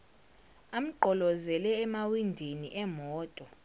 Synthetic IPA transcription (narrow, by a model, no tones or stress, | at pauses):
am̩ǃɔlɔzɛlɛːmawindʱiniʔɛmɔːtʼɔ